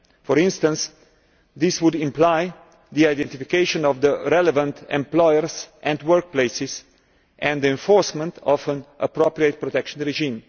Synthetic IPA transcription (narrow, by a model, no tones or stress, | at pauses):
fɔɾɪ̃nstə̃ns | d̪ɪswʊdɪ̃mplaɪ | ðiaɪdɛ̃ntifikeɪʃə̃nɔvðəɾɛlɛvə̃ntɛ̰̃mplɔɪəɹzʔɛ̃ndwɜɹk̚pleɪsɪz | ʔɛ̃nd̪d̪iɛ̃ɱfɔɹsmə̃ntʰɔfə̃nʔəpɾopɹiət̪̚pɾɔt̪ɛkʃə̃nɹɛʒĩːm